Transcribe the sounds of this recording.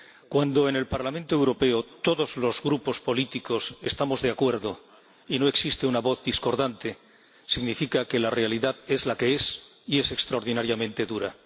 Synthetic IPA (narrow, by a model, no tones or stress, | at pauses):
kwand̪o̞ene̞lpaɾlamẽnt̪o̞e̞wɾo̞pe̞ot̪o̞ðo̞zlo̞zɣɾupo̞spo̞lit̪iko̞se̞st̪amo̞zðe̞akwe̞ɾðo̞ | ino̞e̞ksist̪e̞unaβo̞θðisko̞ɾðant̪e | siɣnifikake̞lare̞aliðaðe̞zlake̞es | ie̞se̞kst̪ɾaoɾðinaɾjamẽ̞nt̪e̞ðuɾa̰